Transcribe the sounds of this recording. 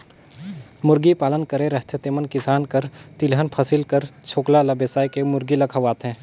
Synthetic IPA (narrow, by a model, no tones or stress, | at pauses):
mʊɾɡipaːlənkəɾẽɾɐɦt̪ʰet̪eːmənkɪsaːnkəɾt̪ɪlɦənpʰɐsilkəɾt͡ʃʰoːklalɐbeːsaːjkemʊɾɡilɐkʰɐʋaːt̪ɦɛ̃ː